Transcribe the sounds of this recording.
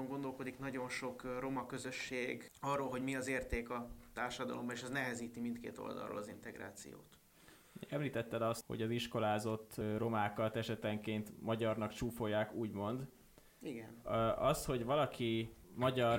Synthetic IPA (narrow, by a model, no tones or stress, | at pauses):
oŋɡo̞nd̪o̞lko̞d̪iknɒɟo̞nʃo̞kro̞mɒkø̞zø̞ʃːeːɡɒrːoːlɦo̞ɟmiɒzeːrt̪eːkɒt̪aːrʃɒd̪ɒ̰lo̞mbɒeʃɛznɛɦɛziːt̪imint̪kḛːt̪o̞̰ld̪ɒ̰lro̰ːlɒzint̪ɛɡɾa̰ːt̪sḭjo̰ːt̪ | ɛmliːt̪ɛt̪ːɛd̪ɒsho̰ɟɒziʃko̞laːzo̞t̪ːro̞maːkɒt̪ɛʃɛt̪ɛŋkeːnt̪mɒɟɒrnɒkt͡ʃuːfo̞jːaːkuːɟmo̞nd̪ | iɡɛnɒst̪ho̞ɟvɒlɒkʰimɒɟɒr